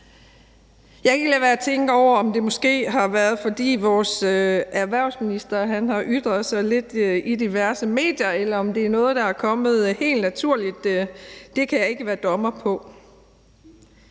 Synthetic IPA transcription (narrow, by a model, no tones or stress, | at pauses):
jɑ̈ɪkʰɡəlɛʋæɐæt͡sʰeŋɡ̥əɒʊ̰ɐɒ̽md̥e̝mɒ̽sɡ̥e̝̰ːɦɑ̈ʋæɐð̞ˠfɒ̽d̥ḭːʋɒːsæɐʋæɐ̰ʊsminisd̥ɐɦænɦɑ̈ʔyd̥ʁɐð̩ˠsɑ̈ɪle̝d̥id̥iʋæɐsəme̝̰ːd̥jɐelɐɒ̽md̥e̝æɐnɔ̽ːð̞̩ˠd̥ɑ̈æɐkʰɒ̽mð̞̩ˠhe̝̰ːld̥næt͡sʰuɐ̰lid̥ː | e̝kʰæjɑ̈e̝ɡ̥əʋæːɐd̥ɒ̽mɐpʰɒ̽